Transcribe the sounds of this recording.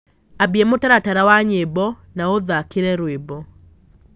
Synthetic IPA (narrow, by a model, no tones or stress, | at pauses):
abiɛmotaɾataɾawaɲebɔ | naoðakiɾɛɾwebɔ